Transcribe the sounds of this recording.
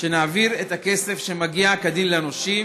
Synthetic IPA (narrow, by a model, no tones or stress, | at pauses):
ʃe̞naːviʁe̞t̪hake̞se̞fʃe̞maɡiakad̪imlenoʃim